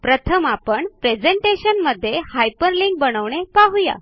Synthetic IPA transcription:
pɾət̪ʰəmapəɳpɾed͡zeɳʈeɕənməd̪ʱːjehajpəɾliŋk̚bəɽ̃əʋɳ̃epaɦuja̰

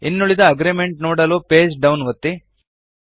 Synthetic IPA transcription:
inːuɭid̪ɐɐɡɾimeɳʈnoːɽɐloːpeːd͡ʒɖɐwnʋɐt̪ːi

